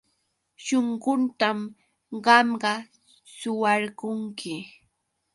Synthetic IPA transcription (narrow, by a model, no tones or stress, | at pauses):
ʃoɴɢʊnt̪am | ɢɑmɢɑ | sʊwɑɾɢʊŋkʰɪ